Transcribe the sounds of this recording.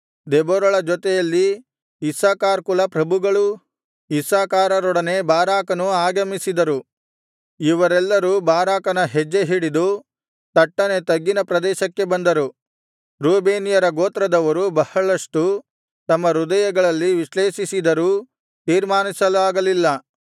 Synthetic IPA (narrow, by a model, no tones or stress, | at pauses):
d̪ɛbɔɾɐɭɐd͡ʒɔt̪ɛjɐlːiː | saːkaːɾkulɐpɾɐbʱuɡɐɭu | isaːkaːɾɐɾɔɽɐnebaːɾaːkɐnuaːɡɐmisid̪ɐɾu | iʋɐɾɛlːɐɾuːbaːɾaːkɐnɐɦɛd͡ʒːeɦiɽid̪u | t̪ɐʈːɐne̞t̪ɐɡːinɐpɾɐd̪ɛːʃɐkːe̞bɐnd̪ɐɾu | ɾuːbeːnijɐɾɐɡoːt̪ɾɐd̪ɐʋɐɾubɐhɐɭɐʂʈu | t̪ɐmːɐɾud̪ɐjɐɡɐɭɐlːiʋiʃleːʃisid̪ɐɾuː | t̪iːɾmaːnisɐlaːɡɐlilːɐ